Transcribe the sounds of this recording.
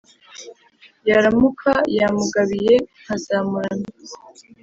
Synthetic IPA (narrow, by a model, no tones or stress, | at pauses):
jaɾamukʰajamuɡaβije̞ŋ̥azaːmuɾana